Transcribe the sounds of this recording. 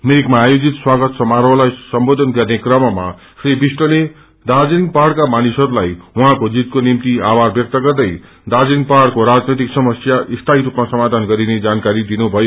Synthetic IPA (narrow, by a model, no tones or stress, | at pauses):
meikmaːjod͡zit̪swaɡʌt̪sʌmaɾʌlajsʌmbod̪ʱʌnɡʌrnekrʌmʌma̰ | sribisʈʌle | d̪ad͡zinpaɽkamanisʌɾulajwuɦãkod͡zit̪konimt̪iabarbjʌk̚t̪ʌɡʌrd̪ʌj | d̪ad͡zinpaɽkoɾad͡znʌjt̪iksʌmʌsjaʔist̪ʰaɦiɾupmasʌmad̪ʱanɡʌɾined͡zankaɾid̪inubʱʌjo